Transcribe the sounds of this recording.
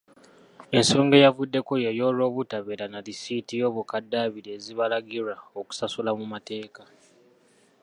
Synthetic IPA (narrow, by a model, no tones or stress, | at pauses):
e̞nso̞ːŋɡe̞javudːe̞ko̞jejo̞lo̞ːβutaβeɾanalisitijo̞ːβukadːaːβiɾe̞ːziβalaɡiɾaoku̥sasulamumate̞ːka